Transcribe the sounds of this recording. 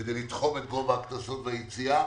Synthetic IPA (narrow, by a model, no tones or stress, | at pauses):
edejlit̪χomet̪̚ɡovaːknasotvejet͡sia